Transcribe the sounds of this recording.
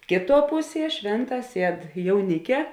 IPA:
ˈkʲeːˌtuɔ ˈpʊˌsʲiɛ ˈʃʲʋʲeːnˌtɑː ˈsʲiɛt jɛʊˈnʲɪkʲɛ

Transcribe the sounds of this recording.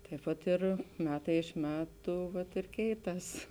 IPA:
tɐɪp ˈpɐt ˈɪr ˈmʲæːtɐɪ ɪʃ ˈmʲæːtʊ ʋɐt ɪr ˈkʲɛɪˌtɐs

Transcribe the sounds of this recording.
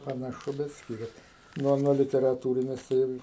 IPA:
pɐnɐˈʃʊ bʲɛt ˈsʲkʲɪrʲɛs ˈnuɔ nuɔ lʲɪtʲɛrɐˈtuːrʲɪnʲɛs tɐɪ ˈɪr

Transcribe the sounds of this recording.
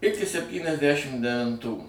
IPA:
ˈɪkʲɪ sʲɛpʲtʲiːnʲɛzʲˈdʲæʃʲɪm dʲɛʋʲɪnˈtuː

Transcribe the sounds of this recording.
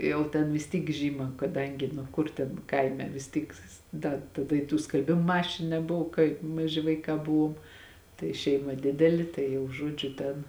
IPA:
ˈjɛʊ tʲɛn ʋʲɪs ˈtʲiːk ˈʒʲiːmɐ kɐˈdɐŋʲɡʲɪ nʊ ˈkʊr tʲɛn ˈkɐɪmʲɛ ʋʲɪs ˈtʲiːk ˈdɐ tɐˈdɐ ɪ tuː skɐlʲˈbʲɪmoː ˈmɑːʃʲɪnʊ nʲɛˈbʊʋoː kɐɪp mɐˈʒʲɪ ʋɐɪˈkɑː ˈbʊʋuɔm tɐɪ ˈʃʲɛɪmɐ ˈdʲɪdʲɛlʲɪ ˈtɐɪ jɛʊ ˈʒuɔd͡ʒʲʊ ˈtʲɛn

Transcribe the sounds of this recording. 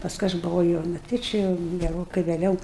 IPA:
pɐsˈkʊɪ ɐʃ bʊˈʋɐʊ jɛʊ nʊ ˈtʲɪ t͡ʃʲɪ jɛʊ ɡʲɛˈroːkɐɪ ʋʲeːˈlʲɛʊ

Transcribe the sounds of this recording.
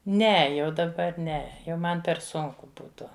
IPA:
ˈnʲɛ jɛʊ dɐˈbɐr ˈnʲɛ jɛʊ ˈmɐn pʲɛr ˈsʊŋkʊ ˈbuːtʊ

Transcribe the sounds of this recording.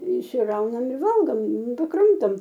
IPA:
ɪʃʲsʲɪˈrɐʊnɐm ɪ ˈʋɐlˠɡoːm nʊ pɐˈkrɐmtoːm

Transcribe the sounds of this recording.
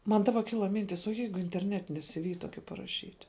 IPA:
ˈmɐn ˈdɑːbɐ ˈkʲɪlˠɐ ˈmʲɪnʲtʲɪs oː ˈjɛɪɡʊ ɪnʲtʲɛrʲˈnʲæːtʲɪnʲɪ sʲɪˈʋʲɪ ˈtoːkʲɪ pɐrɐˈʃʲiːtʲ

